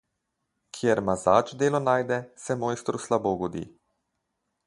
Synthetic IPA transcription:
kʰjɛɾmazaːt͡ʃd̪eːlɔnaːjd̪ɛsɛmɔːjst̪ɾuslaboːɡɔd̪ḭː

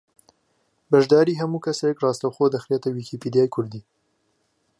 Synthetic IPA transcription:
bɐʒd̪aːɾiːɦɐmuːkʰɐsɛjɛkrɑːst̪ɐwxoːd̪ɐxɾet̪ɐwiːkʰipiːd̪ijaːjkʰʊɾd̪iː

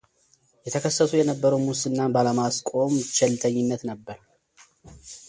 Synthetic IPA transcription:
jɛt̪ʰəkʰəsːəsujɛnəbːəɾəwmusɨnːabaləmaskʼo̞mt͡ʃɛlt̪ʰʼəɲːɪnːət̪nəbːəɾ

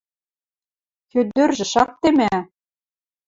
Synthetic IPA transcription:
kød̪ørʒɘ̆ʃɑk̚t̪emæ

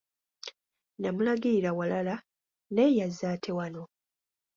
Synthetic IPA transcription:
namulaɡiiɾawalala | nejazːaːtʰe̞wano̞

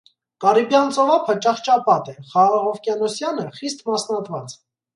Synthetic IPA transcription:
kɑɾibjɑnt͡sɔvɑpʰət͡ʃɑχt͡ʃɑpɑt̪ɛχɑʁɑʁɔvkjɛnɔsjɑnəχist̪mɑsnɑt̪ʰvɑt͡s

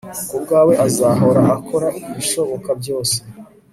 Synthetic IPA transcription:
kubɡaːwe̞ʔazaɦo̞ɾaʔakʰo̞ɾaʔiβiʃo̞βo̞kabɟo̞ːse

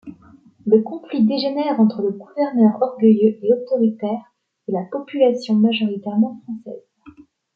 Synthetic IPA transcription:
ləkɔ̃flid̪eʒenɛʁɑ̃t̪χələɡuvɛʁnœʁɔʁɡəjøʔeɔt̪ɔʁit̪ɛːʁ | elapɔpylasjɔ̃maʒɔʁit̪ɛʁmɑ̃fχɑ̃sɛ̰ːz

